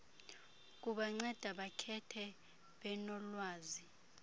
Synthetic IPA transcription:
k̬uɓaŋ͡ǀɛd̥ʱaɓakʰɛtʰɛ | ɓɛnɔlwaːzi

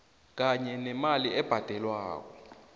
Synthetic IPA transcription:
k̬aɲɛnɛmaliɛb̥ʱad̥ʱɛlwa̰ːk̬ɔ

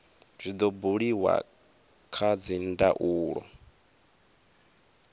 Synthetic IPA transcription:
z̥ʷid̪ɔbuɺiwa̰ | kʰad͡zinda̰ʔuːɺɔ̰

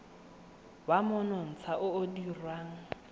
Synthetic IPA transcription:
wamʊnɔn̩t͡sʰaʔʊːdirwaːŋ̩

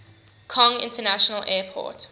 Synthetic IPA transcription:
kʰɔ̃ŋɪ̰̃ntənaʃənəlʔɛːpʰɔ̰ːt

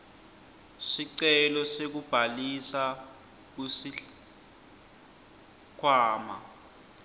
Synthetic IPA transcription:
siǀɛlɔsek̬ub̥ʱalisa | k̬usi | kʰwaːma̰

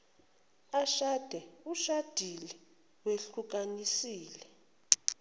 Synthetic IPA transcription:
aʃad̥ʱɛuʃad̥ʱilɛ | weɬuk̬anisiːlɛ

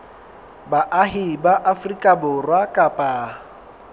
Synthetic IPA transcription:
baʔaɦibaʔafrikʼabʊrwakʼapʼaː

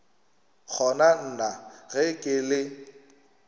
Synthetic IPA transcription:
k͡xʰɔnan̩naɣɛkʼɪlɪ

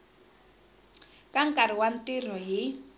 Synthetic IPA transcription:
kʼaŋ̩kʼaɾ̤iwan̩tʼir̤ɔɦi

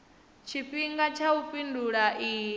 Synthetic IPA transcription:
t͡ʃʰiɸiŋɡat͡ʃʰaupʼinduɺaʔiː

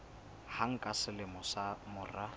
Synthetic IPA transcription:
haŋ̩kʼasɪlɪmʊsamʊːra

